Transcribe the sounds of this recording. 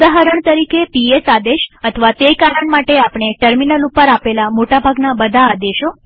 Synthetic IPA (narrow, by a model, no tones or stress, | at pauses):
aɦaɾəɳ̃t̪əɾikepiesad̪eʃət̪ʰəʋat̪ekaɾəɳmaʈeapɳ̃eʈəɾminəlupəɾapelamoʈabʱaɡnabəd̪ʱaːd̪eʃo